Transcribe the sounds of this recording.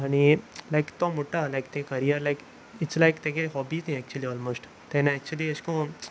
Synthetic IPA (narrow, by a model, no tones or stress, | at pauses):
añilajkt̪omoʈalajk̚t̪ẽkəɾijəɾlajk | ɪtslaɪkt̪ẽkeɦɔbisĩɛk̚t͡ʃuəliɔːlmoːsʈ | t̪ẽnaɛk̚t͡ʃuəliəskõ